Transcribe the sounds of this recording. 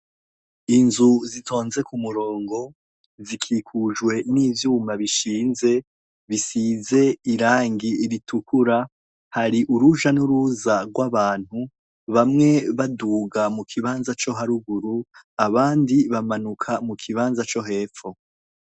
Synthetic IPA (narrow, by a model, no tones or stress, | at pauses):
inzuzitʰo̞ːnze̞kumuɾo̞ːŋɡo̞ | zikʰiːkʰuʒɡwe̞niːvjuːmbaβiʃiːnze̞ | βisize̞iɾaːŋɡiiɾitʰukʰuɾa | haɾiʔuɾuʒanuɾuzaɡwaβaːn̥hu | βamŋe̞βaduːɡamukʰiβaːnzat͡ʃo̞ɦaɾuɡuɾuaβaːndiβamanukʰamukʰiβaːnzat͡ʃo̞ɦe̞ːfo̞